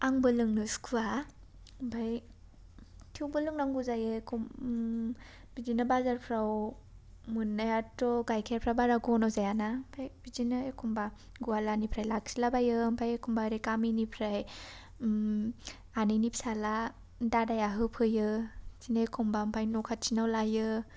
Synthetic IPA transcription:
aŋbɯlɯŋnɯskʰua | mpʰaj | tʰiwbɯlɯŋnaŋɡuzajɯkʰɔm | b̥izinabazaɾpʰɾaw | mɯnːajatɔɡajkʰeɾpʰɾabaɾaɡɔnɔzajanampʰajbid͡ʒinɯekʰumba | ɡualanipʰɾajlak̚silabajɯmpʰajekʰumbaɾikaminipʰɾaj | aninipsala | dadajaɦɯpʰɯjɯzinajkʰɔmbampʰajnɔkʰat̚t͡ʃinawlajɯ

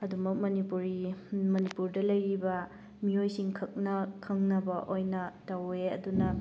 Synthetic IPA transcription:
ɐdumɐk̚mɐnipuɾimɐnipuɾdɐlɐjɾibɐ | miojsiŋkʰɐk̚nɐkʰɐŋnɐbɐʔojnɐtɐweɐ̰dunɐ

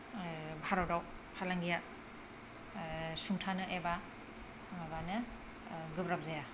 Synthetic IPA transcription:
bʱaɾɔwdaw | pʰalaŋɡija | suŋtʰanɯʔeba | ŋabanɯ | ɡɯbɾap̚zaja

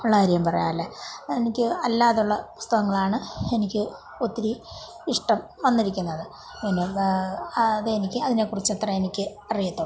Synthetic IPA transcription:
uɭːɐhɾijɐmpɐrɐja̰ːlːeenikʲːɨɐlːaːðuɭːɐpu̥st̪ɐɣɐŋːɐɭaːɳɨe̞nikʲːɨ | ot̪ːiɾi | iʂʈɐm | ʋɐnːiɾikʲːunːɐðɨ | pinːeɐðeenikʲːɨɐðine̞kːurit͡ɕːɐt̪rɐenikʲːɨ | ɐrijɐt̪ːo

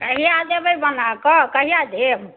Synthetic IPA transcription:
kəɦijad̪ebəjbənakɔkəɦijad̪eb

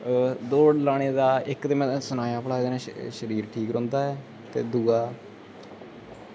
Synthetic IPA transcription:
d̪oːɽlaːɽ̃eːd̪aːɪkt̪eːmɛ̃ːsənaːjãːpəɽaːeːd̪eːnãːʃəɾiːɾʈʰiːkɾɔ̃ːnd̪aːɛː | t̪ḛːd̪uːaː

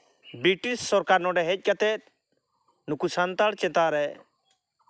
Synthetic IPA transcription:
bɾiʈissɔɾkaɾnɔɖɛɦɛc̚ˀkat̪ɛt̪̚ | nukusant̪aɽt͡ʃɛ̃t̪aɾɛ

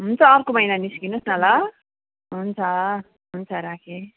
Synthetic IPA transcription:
ɦunt͡sʰʌːrkomʌjnaniskinusnʌlʌ | ɦunt͡sʰʌ | ɦunt͡sʰʌɾakʰe

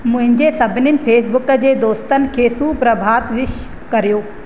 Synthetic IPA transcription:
mʊ̃ɦɪ̃ɲd͡ʑesɐbʱɪnənɪ̆feːsbʊkə̆d͡ʑeːd̪oːst̪ənɪ̆kʰeːsuːpɾɐbʱaːt̪ʋɪʃ | kɐɾijoː

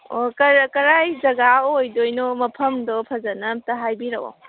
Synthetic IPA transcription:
okɐkɐɾajzɐɡaojdojnɔmɐpʰɐmdɔpʰɐzɐnɐtɐɦajbiɾɐʔo̰

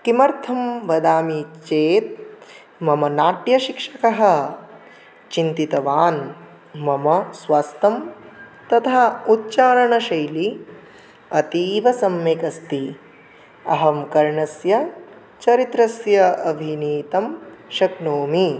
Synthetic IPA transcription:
kimɐɾt̪ʰɐmʋɐd̪aːmit͡ʃeːt̪̚ | mɐmɐnaːʈjɐʃikʂɐkɐɦɐ̆ | t͡ʃint̪it̪ɐʋaːn | mɐmɐsʋaːst̪ɐmt̪ɐt̪ʰaːutːt͡ʃaːɾɐɳɐʃɐjli | ɐt̪iːʋɐsɐmjekɐst̪i | ɐɦɐmkɐɾɳɐsjɐ | t͡ʃɐɾit̪ɾɐsjɐɐbʱiniːt̪ɐmʃɐknoːmi

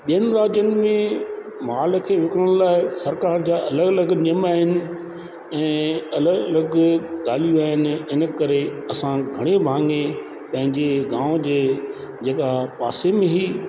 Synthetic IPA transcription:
ɓijənɪ̆ɾaːd͡ʑjənɪ̆mẽ | maːlkʰeːʋɪkɽəɽ̃laːɪsɐɾkaːɾd͡ʑaːɐləɡɐləɡnijəmaːɦɪnɪ̆ | ɛ̃ːɐlələɡɠaːl̤ijuaːɦɪnɪ̆ɪnə̆kɐɾeɐsãɡʱɐɽ̃ebʱãːŋɡẽ | pɐ̃ɦɪ̃ɲd͡ʑeɡãːʋd͡ʑeː | d͡ʑeːkapa̰ːsemẽɦiː

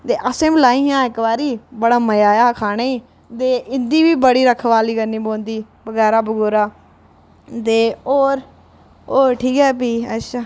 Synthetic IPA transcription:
t̪eːʔəsẽːmlaːĩːjãːɪkʋaːɾiːbəɽaːməjaːjaːkʰaːɽ̃eiː | t̪eːʔɪnd̪iːbiːbəɽiːɾəkʰʋaːliːɡəniːbõːnd̪iː | bəɡɛːɾaːbəɡoːɾaː | t̪eːoːɾ | oːɾʈʰiːkɦɛːpiːə̰ʃʰaː

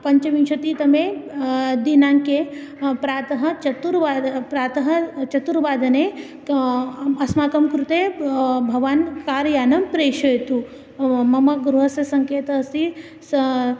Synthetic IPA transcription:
pɐɲt͡ʃɐʋinʃɐt̪it̪ɐme | d̪inaːŋke | pɾaːt̪ɐɦɐt͡ʃɐt̪uɾʋaːd̪pɾaːt̪ɐɦɐt͡ʃɐt̪uɾʋaːd̪ʱɐne | ɐsmaːkɐmkɾut̪eːbʱɐʋaːnkaːɾjaːnɐmpɾeːʃɐjt̪u | mɐmɐɡɾuɦɐsjɐsɐŋkeːt̪ɐɐsi | s

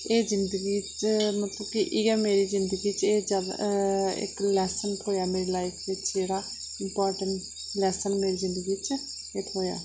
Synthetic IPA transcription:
eːzɪnd̪əɡiː | mət̪ləbkɪʔɪɡɛːmeːɾiːzɪnd̪əɡiːt͡ʃeːd͡ʒjaːd̪a̰ɪ̰klɛːsənʈɦoːjaːmeːɾeːlaːɪkʰʋɪt͡ʃeːɾaː | ɪmpaːɾʈəɳʈ | lɛːsənmeːɾiːzɪ̃nd̪əɡiːt͡ʃ | eːt̪ʰoːja̰ː

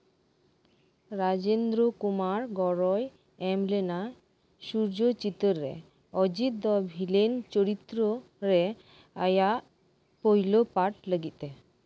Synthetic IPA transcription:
ɾad͡ʒend̪ɾokumaɾɡɔɾɔj | ɛmlena | ʃuɾd͡ʒot͡ʃit̪oɾːḛ | ɔd͡ʒit̪̚d̪ɔbʱilent͡ʃoɾit̪ɾo | ɾe | ajaʔ | pojlopaʈləɡit̪e

